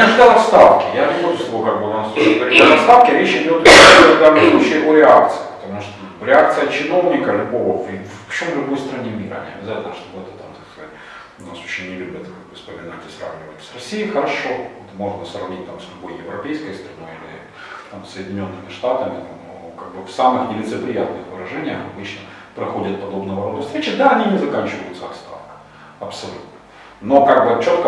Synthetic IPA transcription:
ɐʐd̪aɐst̪afkʲɪjaɪpoʊsˠɐokaɡ̚bɨnast̪oɪt̪ɡɡvɐɾit̪ʲd̪ʲaɐt̪st̪afkʲɪɾʲet͡ɕɪdʲo̞t̪k̪ɐɡd̪amɨslˠut͡ɕejɪvoɾʲɪak̚t̪sɨ̥əpə̥t̪ɐmuʂt̪oɾʲɪak̚t̪sɨjət͡ɕɪno̞vnʲɪkəlʲʊbo̞vəvvɐɕomvlʲʊbo̞jst̪ɾɐnʲemʲiɾə̰nʲɪ̰ɐ̰bʲɪzatʲɪlʲnəʂt̪obɛt̪ət̪amt̪aksk̪kəzatʲ | ʊnasoɕːɪnʲɪlʲubʲɪt̪kaɡ̚bɨfspəmʲɪnatʲɪ̥sɾra̰vnʲɪvətʲsrɐsʲijixəɾɐʂo̞ot̪mo̞ʐnəsrɐvnʲit̚ʲt̪amslʲʊbo̞jjɪvɾɐpʲejskəjst̪ɾɐno̞jilʲɪ̰ | t̪amsːəjɪdʲɪnʲo̞nːɨmʲɪʂt̪at̪əmʲɪt̪amno | kaɡ̚bɨfsamɨxnʲɪlʲɪt̪sɨpɾʲɪjat̪nɨxvɨɾɐʐɛnʲɪjəxɐbɨt͡ɕnə | pɾɐxodʲɪt̪̚pɐd̪o̞bnəvɐɾod̪ʊfst̪ɾʲet͡ɕɪd̪aɐnʲinʲɪzɐkanʲt͡ɕɪvəjʊt̪səɐt̪st̪a̰fkə | ɐpsɐlʲut̪nə̥ | no̞kaɡ̚bɨt͡ɕo̞t̪kə

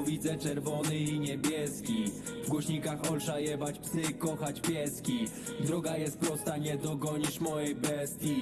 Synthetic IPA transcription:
vʲid̪zɛt͡ʂɛɾvɔnɘiɲɛbʲjɛskʲi | vɡwɔɕɲikaxɔlʂajɛvat͡ɕpsɘkɔxat͡ɕpʲjɛskʲi | d̪ɾɔɡajɛst̪̚pɾɔst̪aɲɛd̪nɔɡɔɲiʂmɔjɛjbɛst̪ʲji

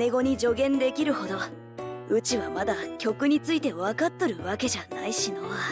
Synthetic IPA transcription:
ne̞ɡo̞ɲ̟id͡ʑo̞ɡẽ̞nd̪e̞kʲiɾɯ̟ho̞d̪o̞ | ɯ̟t͡ɕiβamad̪akʲo̞kɯ̟ɲ̟it͡sɨit̪e̞βakat̪ːoɾɯ̟βake̞ʑanaiɕino̞a

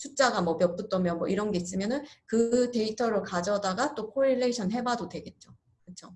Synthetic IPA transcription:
t͡ɕʰut͡ɕ͈aɡamwʌpjʌk̚p͈ɯt͈ʌmjʌnmwʌ̰iɾʌnɡe̞is͈ɯmjʌnɯnkɯte̞itʰʌɾɯɭkad͡ʑʌdaɡat͈okʰoɾiɭːeiɕʰʌnɦe̞badodwe̞ɡe̞t̚t͡ɕ͈o | kɯt͡ɕʰo

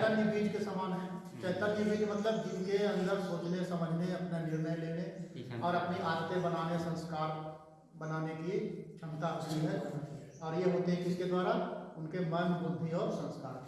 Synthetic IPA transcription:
t̪əɾnibiːd͡ʒkesaːmaːnɦɛ̃ː | t͡ʃɛɦt̪əɾnibiːd͡ʒmɐt̪ləb̚d͡ʒɪnkeɐ̃nd̪əɾsoːt͡ʃnesɐməd͡ʒʱneɐpnenɪɾnəjleːneɔːɾɐpniaːd̪t̪ebənaːnesə̃nskaːɾ | bɐnaːnekit͡ʃʰɐ̃mt̪aiɦɛː | ɔːɾjeɦoːt̪eɦɛ̃kɪsked̪waːɾaʊnkemɐnbʊld̪ʱiɔːɾsə̃nskaːɾ

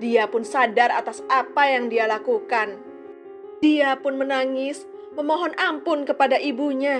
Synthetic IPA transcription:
diapʊnsadarat̪asapajaŋdialakukan | diapʊnmənaŋɪs | məmɔɦɔnampʊnkəpadaʔibuɲa

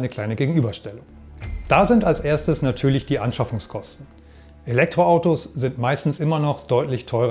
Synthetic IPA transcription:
nəkl̥aɪnəɡeːɡŋ̩ʔyːbɐʃtɛlʊŋ | d̥aːzɪntalsʔeːɐstəsnatʰyːɐlɪçd̥iːʔanʃafʊŋskʰɔstn̩ | ʔelɛk̚tʁ̥oaʊtosz̥ɪntmaɪstn̩sʔɪmɐnɔχd̥ɔʏtlɪçtʰɔʏʁ

